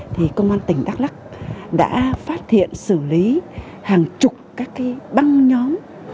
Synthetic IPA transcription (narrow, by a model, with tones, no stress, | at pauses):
t̪ʰi˨˩kə˧wŋ͡mʔaː˧nt̪ï˧˩ŋ̟ɗaː˦˥k̚la˦˥k̚ɗa̰ː˧˥faː˦˥t̚t̪ḭ˧˨ənsɨ˧˩li˨˦ | haː˨˩ŋt͡ɕʊ˨˩k͡p̚kaː˦˥kːaː˨˦jɓa˧ŋɲɔ˨˦m